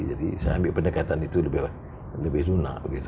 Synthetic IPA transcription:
d͡ʒadḭsajaambɪʔpənəkat̪anit̪uləbɪh | ləbɪhduna̰ʔbəɡit̪u

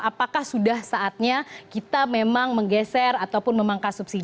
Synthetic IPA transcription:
apakahsudahsaʔat̪̚ɲakit̪amemaŋməŋɡɛsɛrat̪awpʊnmemaŋkasupsid

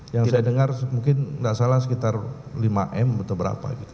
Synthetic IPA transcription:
jaŋssajadəŋarmuŋkɪndaʔsalahsə̥kit̪arlima̰ʔɛmbət̪ɔlbəɾa̰pa̰ɡit̪u

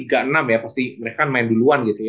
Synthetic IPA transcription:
iɡaʔənamjapast̪iməɾekanmaɪnduluanɡit̪uj

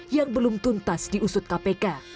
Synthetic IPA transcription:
jaŋbəlʊmt̪unt̪asdiusʊt̪̚kapeka

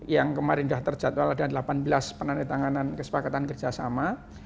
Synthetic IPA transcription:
jaŋkəmaɾɪndaht̪ərd͡ʒat̪waladadlapanbəlaspənanajt̪aŋanankəsə̥pakat̪ankərd͡ʒasama

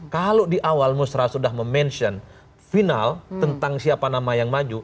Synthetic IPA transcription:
kalodiʔawalmusɾasudahməmɛnsɔn | finalt̪ənt̪aŋsiapanamajaŋmad͡ʒu

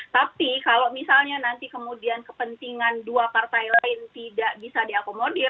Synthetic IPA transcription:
t̪apikalomisalɲanant̪ikəmudiankəpənt̪iŋanduapart̪ajlaɪnt̪idaʔbisadiakomodɪr

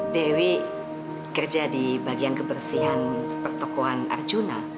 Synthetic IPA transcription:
dewi | kərd͡ʒadibaɡiankəbərsiɦanpərt̪ɔkoana̰rd͡ʒuna

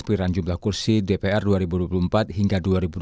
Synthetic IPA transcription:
spiɾand͡ʒumlahkursidepeɛrduaɾibuduapulumpat̪̚hiŋɡaduaɾibud

